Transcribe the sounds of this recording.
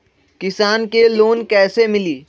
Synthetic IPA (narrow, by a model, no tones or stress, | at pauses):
kɪsaːnkeloːnkɛːsemɪliː